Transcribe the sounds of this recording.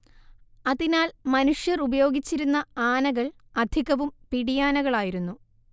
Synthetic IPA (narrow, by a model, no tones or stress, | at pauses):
ɐðinaːlmɐnuʂjɐrubɐjo̞ːɡit͡ɕːiɾunːɐaːnɐɣɐɭɐd̪ʱiɣɐʋumpiɽijaːnɐɣɐɭaːjiɾunːu